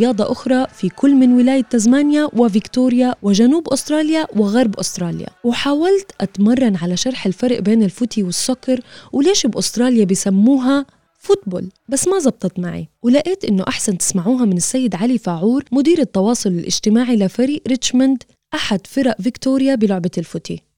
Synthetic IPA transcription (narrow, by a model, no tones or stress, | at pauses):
jɑːd̪ˤɑʔʊxɾˤɑfikʰʊlːmɪnwɪlaːjat̪ːazmaːnjawɪvɪkt̪uːɾjawɪʒanuːbʔʊst̪ɾˤɑːljawɪɣɑɾˤbʔʊst̪ɾˤɑːlja̰wɪħaːwalt̪ʔat̪mɑrˤːɑnʕalaʃɑɾˤħɪlfɑɾˤʔbeːnɪlfʊt̪iwɪsːʊkɑɾˤwɪleːʃɪbʔʊst̪ɾˤɑːljabɪjsamːuːɦa | fʊt̪̚bo̰ːlbasːmazˤɑb̚t̪ˤɑt̪maʕḭwɪlaʔeːt̪ʔɪnːʊʔaħsant̪ɪ̥smaʕuːɦamɪnɪsːajːɪd̪ʕalifaʕuːɾmʊd̪iːɾɪt̪ːɑwɑːsˤʊlɪlʔɪ̰ʒt̪ɪmaːʕilafaɾiːʔɾɪt͡ʃmand̪ | ʔaħad̪fɪɾaʔvɪkt̪uːɾjabɪlʊʕbalfʊt̪ḭ